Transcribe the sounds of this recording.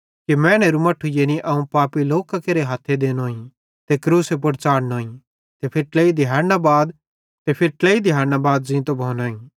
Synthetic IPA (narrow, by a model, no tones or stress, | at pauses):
kimɛ̃ːñɛɾumɐʈʰːujeniʔɐũpaːpiloːkakeɾeɦaːt̪ʰːed̪eːnoːĩ | t̪ekɾuːsep̬ʊɽt͡ʃaːɽnoːĩ | t̪epʰɪɾʈleːid̪ʱɪjaːɾnabaːd̪ | t̪epʰɪɾʈleid̪ʱɪjaːɾnabaːd̪̚zĩt̪obʱoːnoːĩː